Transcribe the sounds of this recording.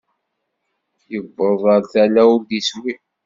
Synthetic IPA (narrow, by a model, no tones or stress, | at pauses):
jəbːəðˤəɾθælæʊɾd̪iswi